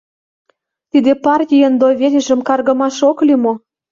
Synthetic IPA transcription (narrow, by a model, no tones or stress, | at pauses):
t̪id̪epɑrtʲijənd̪oβʲel̆ʲʒə̆mkɑrɣɤ̆mɑʃoklimo